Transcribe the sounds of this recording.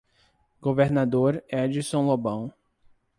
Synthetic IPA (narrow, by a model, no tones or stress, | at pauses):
ɡoveɾnad̪oɾɛd͡ʒisõw̃lobɐ̃w̃